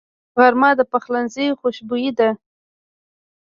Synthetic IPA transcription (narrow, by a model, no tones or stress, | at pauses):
ɣaɾmɑd̪əpaxlanzijxoʃbujid̪a